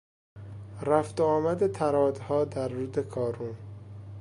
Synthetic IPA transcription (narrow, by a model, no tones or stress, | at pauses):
ɾæft̪ɒːmæd̪et̪ʰæɾɒːd̪hɒːd̪æɾːuːd̪ekʰɒːɾuːn